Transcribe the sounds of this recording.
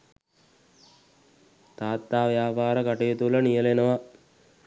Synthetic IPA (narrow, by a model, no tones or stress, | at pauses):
t̪aːt̪ːaːʋjaːpaːɾəkaʈejet̪ulənijəlenəʋa